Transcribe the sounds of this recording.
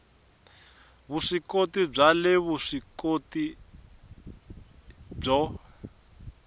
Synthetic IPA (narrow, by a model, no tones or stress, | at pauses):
βuʂikotib͡ʐalɛβuʂikoti | b͡ʐɔ